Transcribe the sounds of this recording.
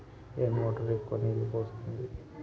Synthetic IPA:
eːnmoːʈɐɾekːonilibost̪und̪i

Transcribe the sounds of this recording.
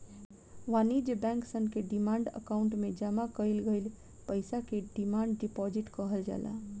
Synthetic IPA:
ʋanid͡ʒbɛ̃ŋksənkeɖimaɳɖə̰kaʊɳʈmed͡ʒamakəjlɡəjl | pəjsakeɖimaɳɖːipɔd͡ʒiʈkəɦəld͡ʒa̰la̰

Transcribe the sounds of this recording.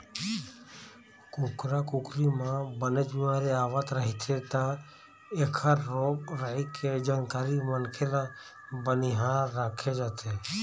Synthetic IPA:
kukɾakukɾimãːbənəd͡ʒbɪmaːɾeaːʋat̪ɾəɦit̪ʰet̪ãː | eːkʰaɾːoːbɾəɦikʰed͡ʒaːnkaːɾimənkʰela | bəniɦãɾaːkʰed͡ʒaːt̪ʰe

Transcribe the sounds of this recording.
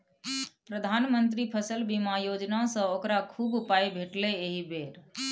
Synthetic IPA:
pɾəd̪ʱanmənt̪ɾipʰəsəlbimajod͡ʒnasə̃okɾakʰubpaibʱeʈleeɦibeɾ

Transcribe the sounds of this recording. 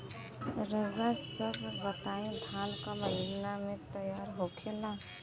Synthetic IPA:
ɾəɡbassəbbət̪aĩd̪ʱankəməɦinamet̪əjaɾɦokʰela

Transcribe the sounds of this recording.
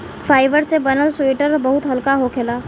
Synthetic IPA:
fʰaːɪʋəɾsebənəlsuiʈəɾbəɦʊt̪ɦəlkaɦokʰelaː

